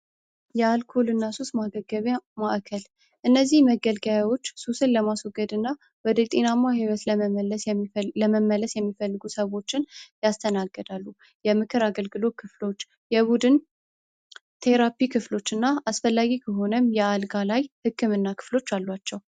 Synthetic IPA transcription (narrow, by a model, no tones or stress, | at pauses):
jɛalkʰolɨnːasusmaɡəɡəβmaʔkʰəl | ʔɨnːəzːihməɡəlɡaawo̞t͡ʃːsusɨnləmaswoɡəd̪ɨnːa | wɔd̪ət̪ʼenamːahiwɔt̪ləələsləməmːələsjɛmːifəlːɨɡusəβo̞t͡ʃːɪnjast̪ʰənaɡːəd̪alːu | jɛmɨkʰɨɾaɡəlɡɨlo̞kʰɨflo̞t͡ʃː | jɛβud̪ɨn | t̪ʰe̞ɾapikʰɨflo̞t͡ʃːɨnːaasfəlːaɡikʰəɦo̞nəmjɛalɡalajhɨkʰːɨmɨnːakʰɨ̥flo̞t͡ʃːalːwat͡ʃːɛw